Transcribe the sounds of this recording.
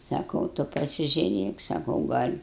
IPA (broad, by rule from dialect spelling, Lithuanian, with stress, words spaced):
sɐˈkɐʊ ˈtʊ pɐsʲɪʒʲʊˈrʲeːk sɐˈkɐʊ ˈɡɐlʲ